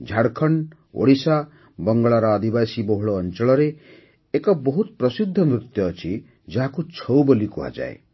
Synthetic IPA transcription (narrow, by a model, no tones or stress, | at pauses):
d͡ʒʱaɽkʰʌɳ | o̰ɽisa | bʌŋɡɔɭaɾɔːd̪ibasibɔɦuɭoːnt͡ʃɔɭɔɾeː | kɔbɔɦut̪̚pɾʌsid̪ʱːʌmɾut̪jɔːt͡ʃʰi | d͡ʒaɦakut͡ʃʰɔwbɔlikuɦa̰d͡ʒa̰ḛ